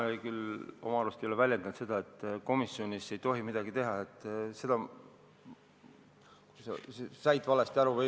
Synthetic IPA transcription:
kylomɑɾust̪eolevælʲje̞nd̪ɑnt̪se̞d̪̥ɑe̞t̪ːˑko̞misːio̞nʲise̞jt̪o̞ɦimid̪̥ɑɡit̪e̞ɦɑet̪ːˑse̞d̪ɑ | ku̥sesesɑjd̪vɑle̞st̪æɾuvɤ

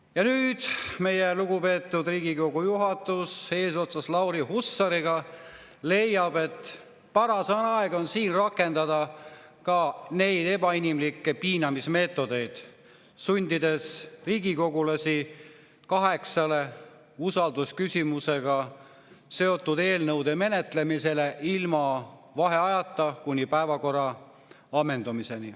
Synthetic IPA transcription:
jɑnyːd̪̥me̞je̞luɡupe̞ːt̪ːˑud̪riːɡiko̞ɡ̥ujuɦɑt̪ːˑuse̞ːso̞t̪sɑslɑwɾihusːɑɾiɡ̥ɑ | le̞jːɑb̥e̞t̪ː | pɑɾɑsɑnɑeɡ̥o̞nsiːnrɑkːˑe̞nd̪̥ɑd̪̥ɑ | kɑne̞jd̪e̞bɑinimlikːe̞piːnɑmisme̞ːt̪ːˑo̞d̪̥e̞jd̪̥ | sunʲd̪̥id̪e̞sriːɡ̥iko̞ɡulɑsʲi | kɑɦe̞ksɑle̞ | usɑld̪̥uskysʲimuse̞ɡ̥ɑ | se̞o̞t̪ːud̪e̞ːlnɤwd̪e̞me̞ne̞t̪le̞mise̞leʔilmɑvɑɦe̞ɑjɑt̪ːˑɑkunʲːipæevɑko̞rːɑ | ɑmːe̞nd̪umise̞ni

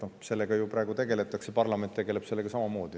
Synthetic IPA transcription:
nose̞lːeɡ̥ɑjuprɑˑːɡut̪e̞ɡ̥e̞le̞t̪ːˑɑksepɑrlɑme̞nt̪ːe̞ɡ̥e̞le̥se̞lːeɡɑsɑmɑmo̞ːd̪i

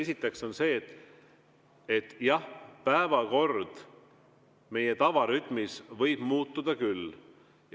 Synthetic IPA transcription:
esit̪ːˑe̞kso̞nse̞ːt̪ːˑ | et̪ːˑjɑhpæevɑko̞rd̪̥ | me̞je̞t̪ɑvɑɾyt̪ˑmisvɤjb̥muːt̪ːud̪̥ɑkylː | j

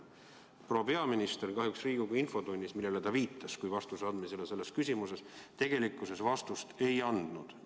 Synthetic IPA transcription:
pro̞ːɑpe̞ɑminist̪e̞rkɑɦjuksriːɡ̥ukujinfo̞t̪unʲːismilːe̞let̪ɑviːt̪ːˑɑskujvɑst̪usɑd̪mise̞lese̞lːe̞skys̬ʲimuse̞st̪e̞ɡ̥e̞likːˑuse̞svɑst̪ust̪e̞jɑnd̪̥nud̪̥

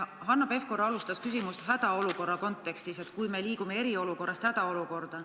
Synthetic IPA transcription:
hɑnːɑpe̞fko̞ɾɑlust̪ɑskysimust̪ɦæd̪̥ɑo̞luko̞rːɑko̞nt̪ːˑe̞kst̪ise̞t̪kujme̞liːɡ̥ume̞e̞ɾio̞luko̞rːɑst̪hæd̪̥ɑo̞luko̞rd̪̥ɑ

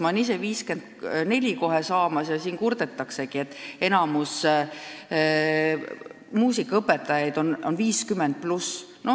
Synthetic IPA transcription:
mɑnise̞viːske̞nd̪ne̞lʲiko̞ɦesɑːmɑsjɑsiːnkuɾd̪̥et̪ːˑɑkse̞ɡ̥ie̞t̪ːˑe̞nɑmus | muːsikːˑɑɤpːet̪ːˑɑjɑjd̪̥o̞nonviːskymːend̪̥̚plus | no̞

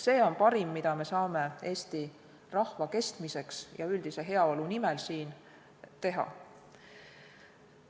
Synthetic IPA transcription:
se̞ːo̞npɑɾimːid̪̥ɑme̞sɑːme̞e̞ːst̪i | rɑhvɑke̞st̪mise̞ksjɑyld̪̥ise̞ɦe̞ɑo̞lunimelsiːn | t̪e̞ɦɑ̰

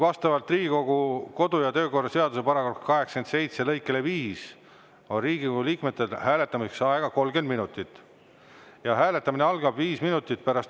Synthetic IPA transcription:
vɑst̪ɑvɑlt̪riːɡ̥iko̞ɡuko̞d̪̥ujɑt̪ø̞ːko̞rːɑse̞ɑd̪use̞pɑɾɑkokkɑɦekske̞nt̪sejt̪selɤjkːˑe̞leviːs | o̞nriːɡ̥ikoɡuliːkmet̪ːˑelhæːle̞t̪ːˑɑmiseksɑeɡ̥ɑko̞lɡend̪minut̪ˑit̪ːˑ | jɑɦæːle̞t̪ːˑɑmineɑlɡ̥ɑb̥viːsminut̪ːˑit̪̚pæɾɑst̪

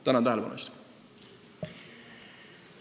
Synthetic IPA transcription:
t̪ænɑnt̪æɦælepɑ̰nṵst̪

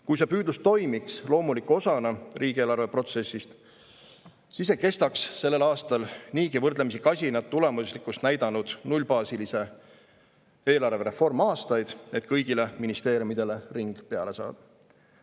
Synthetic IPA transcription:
kujse̞pyːd̪lust̪o̞jmikslo̞ːmulikːˑo̞sɑnɑriːɡ̥e̞ːlɑrve̞pro̞t̪se̞sːist̪ | sis̬ːeke̞st̪ɑksːe̞lːe̞lɑːst̪ɑlniːkivɤrd̪lemisikɑsʲinɑt̪̚t̪ːule̞muslikust̪næjd̪̥ɑnud̪̥nulʲpɑːsilise̞ | e̞ːlɑrve̞ɾe̞fo̞rmɑːst̪ɑjd̪̥e̞t̪ˑkɤjɡ̥ile̞minist̪e̞ːɾjumid̪e̞le̞riŋɡ̥pe̞ɑle̞sɑ̰ːd̪̥ɑ̥

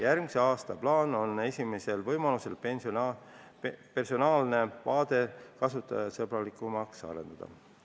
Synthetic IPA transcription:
jærɡmise̞ɑːst̪ɑplɑːno̞ne̞sʲimese̞lvɤ̞jmɑnuse̞lpn | pe̞rso̞nɑːlne̞vɑːd̪e̞kɑsut̪ːˑɑ̰jɑsɤbɾɑlikˑumɑksɑ̰ɾe̞nd̪̥ɑd̪̥ɑ̰

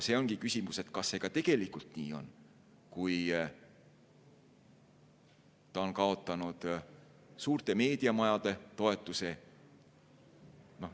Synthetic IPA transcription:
se̞o̞ŋɡikysʲimuse̞t̪kɑsːe̞ːɡ̥ɑt̪e̞ɡ̥e̞likːˑult̪nḭːo̞̰n | kuj | t̪ɑonkɑo̞t̪ːˑɑnud̪̥ | suːrt̪e̞me̞ːd̪̥iɑmɑjɑd̪̥e̞t̪o̞e̞t̪ːˑuse̞ | no̞

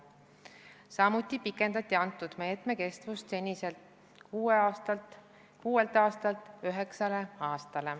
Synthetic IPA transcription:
sɑmut̪ʲːˑipikːˑe̞nd̪ɑt̪ʲˑːiɑnt̪ːˑud̪̥me̞ːt̪ˑme̞ke̞st̪vust̪senʲiselt̪ | kuːeɑt̪ɑ | kuːe̞lt̪ɑːst̪ɑlt̪ˑøɦeksɑle̞ɑːst̪ɑle̞

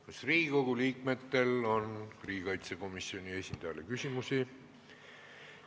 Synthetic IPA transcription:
kɑsriːiko̞ɡ̥uliːk̚me̞t̪ːe̞lo̞nriːɡikɑjt̪seko̞misio̞nʲie̞sʲind̪̥ɑjɑ̰lekysʲimusi

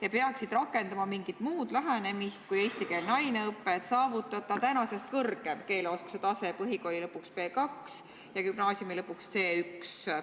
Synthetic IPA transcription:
jɑpeɑksid̪̥rɑkːˑe̞nd̪̥ɑmɑmiŋɡ̥it̪muːd̪̥læɦene̞mist̪̚kuje̞ːsʲt̪ikelnɑjneɤpːˑe̞t̪sɑːvut̪ːˑɑt̪ːˑɑt̪ænɑsest̪̚kɤrɡ̥e̞mke̞ːloːsku̥set̪ɑse̞pɤɦiko̞lʲilɤpːˑukspe̞ːkɑks | jɑɡybnɑːsjumilɤpːˑukst̪se̞ːyks

